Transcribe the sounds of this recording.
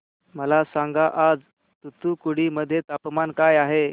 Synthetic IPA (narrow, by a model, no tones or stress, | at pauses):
məlasãŋɡaʔad͡z | t̪ut̪ukuɽ̤iməd̪ʱːjet̪apmankajaɦe